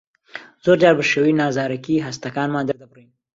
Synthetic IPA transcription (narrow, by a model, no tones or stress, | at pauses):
zoɾd͡ʒɑɾbəʃəwinɑzɑːɾakiɦast̪akɑːnmɑ̃d̪əɾd̪apɾojim